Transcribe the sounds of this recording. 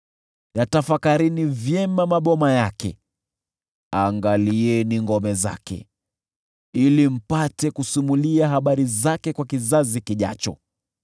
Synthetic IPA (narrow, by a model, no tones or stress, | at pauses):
jatafakaɾinivjɛmamaɓɔmajakɛ̰ | aŋɡaliɛniŋɡɔmɛza̰kɛ̰ | ilim̩patɛkusumuliaɦaɓaɾizakɛkwakizazikiʄa̰t͡ʃɔ̰